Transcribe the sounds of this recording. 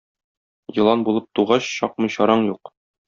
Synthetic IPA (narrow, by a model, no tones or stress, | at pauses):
jɤ̆lˠɑnbulˠɤp̚t̪uʁɑɕɕɒq̚mɤ̆ɕɒɾɑɴjuq